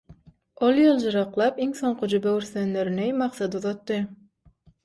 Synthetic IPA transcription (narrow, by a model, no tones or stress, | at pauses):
olˠjɯlˠd͡ʒɯɾɑqlˠɑpiŋso̞ɴqʰɯd͡ʒybeyɾθønleɾynejmɑqsɑd̪uðɑt̪ːɯ